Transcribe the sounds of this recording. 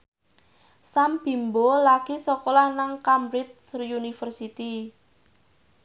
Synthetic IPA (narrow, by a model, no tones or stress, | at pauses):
samb̥i̤mbolaɡ̥isɔkɔlanaŋkamɾit̪̚sriunifərsit̪i